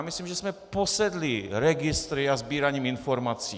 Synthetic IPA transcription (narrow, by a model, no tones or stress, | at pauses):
mɪsliːmʒɛsmɛposɛd̪lɪɾɛɡɪst̪ɾɪazbiːɾaɲiːmɪnfo̞ɾmat͡siː